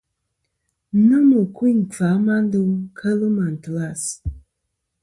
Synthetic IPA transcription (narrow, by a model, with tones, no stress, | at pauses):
nɨ˦mu˨ku˦i˦ŋ̩˨fa˨˦ma˦n˦dɨ˦mkʰə˦lɨ˦ma˨n̩˨tə˨la˦˨s